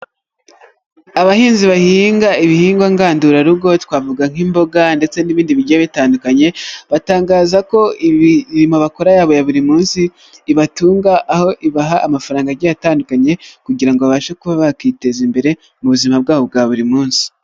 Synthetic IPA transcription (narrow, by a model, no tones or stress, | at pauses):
aβahiːnziβahiːŋɡaiβihiːŋɡwaŋɡaːnduɾaɾuɡo̞twaːvuɡaŋ̥imbo̞ɡande̞t͡se̞niβiːndiβiɟaeβitaːndukaɲe̞βataːŋɡaːzako̞iβiɾimo̞βakoɾajaːβo̞jaβuɾimuːnsiː | βatuːŋɡaʔːho̞ʔiβaɦaʔːmafaɾaːŋɡaɟajataːndukaɲe̞kuɟiɾaŋɡoβaβaːʃakuβaβakite̞zimbe̞ɾe̞ | muβuzimab̚ɡaːβo̞b̚ɡaːβuɾimuːnsi̥